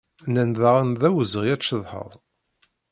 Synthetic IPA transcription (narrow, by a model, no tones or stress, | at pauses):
nænðaʁənðæwəzəʁjæt͡ʃːəðˤħə̰ðˤ